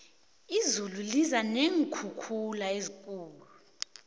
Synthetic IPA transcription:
izululizaneŋkʰukʰulaezikʼuːlu

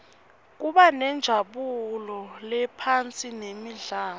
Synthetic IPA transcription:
k̬uɓanɛnd͡ʒʱaɓulɔlɛpʰant͡sʼinemiɮaː

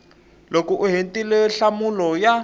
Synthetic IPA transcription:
lokuʔuɦentʼilɛɬamulɔja

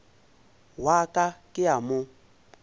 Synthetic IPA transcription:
wakʼakʼɪamʊ

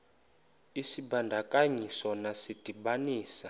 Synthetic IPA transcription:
isibandʱakaɲisɔnasid̥ʼʱibaniːsa

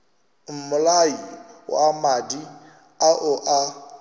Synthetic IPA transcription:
m̩mʊlaiwa̰amadi | aʔʊʔa

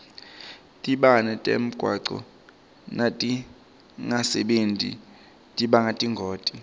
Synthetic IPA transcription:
tʼiɓanɛtʼḛm̩ɡ̥ʱwaǀɔ̰ | natʼi | ŋasɛɓentʼḭ | tʼiɓaŋatʼiŋɡʱoːtʼi

